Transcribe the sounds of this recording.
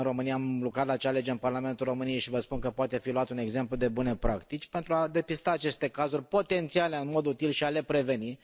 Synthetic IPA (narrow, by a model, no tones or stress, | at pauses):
ɨnro̞mɨnijaamlukɾat̪lat͡ʃale̞d͡ʒeɨnparlame̞nt̪ulro̞mɨnijejʃivəspunkəpoat̪e̞filuat̪une̞ɡze̞mplud̪e̞bune̞pɾʔakt̪it͡ʃʲpe̞nt̪ɾuad̪e̞pist̪aːt͡ʃe̞st̪e̞kazurʲpo̞t̪e̞nt̪siale̞ɨnmo̞d̪ut̪ilʃiale̞pɾe̞ve̞ni